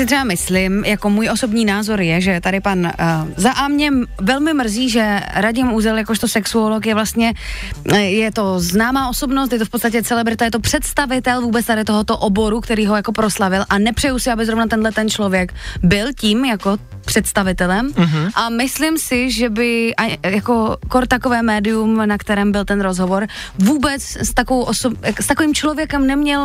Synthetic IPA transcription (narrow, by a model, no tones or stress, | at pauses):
sɪt̪r̥ɛbamɪslɪmjako̞muːjʔo̞so̞bɲiːnaːzo̞ɾjɛʒɛt̪adɪpanzaʔamɲɛvɛlmɪmr̩ziːʒɛɾaɟɪmʔuzɛljakoʃt̪osɛksuolokjɛvlast̪ɲɛ | jɛt̪o̞znaːmaːʔo̞so̞bnost̪jɛt̪̬ofpot̪st̪ac̬ɛt͡sɛlɛbɾɪt̪ajɛt̪opr̝̥ɛt̪st̪avɪt̪ɛlvuːbɛt͡st̪aɾɪt̪oɦot̪o̞ʔobo̞ɾukt̪ɛɾiːɦojakopɾoslavɪlʔanɛpr̥ɛjusɪabɪzɾovnat̪ɛndlɛt̪ɛnt͡ʃlo̞vjɛkbɪlciːmjako | pr̥ɛt̪st̪avɪt̪ɛlɛmʔamɪslɪmsɪʒɛbɪʔajakokoɾt̪akovɛːmɛːdɪjumnakt̪ɛɾɛːmbɪlt̪ɛnɾozɦovo̞ɾ | vuːbɛt͡sst̪akovowʔosojakst̪ako̞viːmt͡ʃlovjɛkɛmnɛmɲɛl